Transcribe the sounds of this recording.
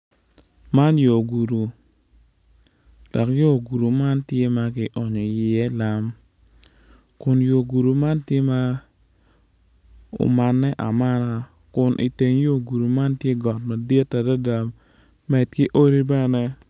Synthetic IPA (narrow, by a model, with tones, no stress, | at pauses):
ma˦njo˨ɡu˨ɾu˨ | d̥ɔ˨kjo˦˨ɡu˨ɾu˨ma˦ntje˦ma˦kɪ˨ʔɔ˨ɲɔ˨jɪ˨ɛ˦la˦m | kʊ˨njo˨ɡu˨ɾu˨ma˦ntje˦ma˦ | o̰˨ma˨nːɛ˦ʔa˨ma˦na˦ | kʊ˨nʔḭ˨te˨ɲjo˦˨ɡu˨ɾu˨ma˦ntje˦ɡɔ˨tma˨de˦tːa˨da˦da˨m | mɛ˨dkɪ˦ʔo˦ɾi˦bɛ˦nɛ˦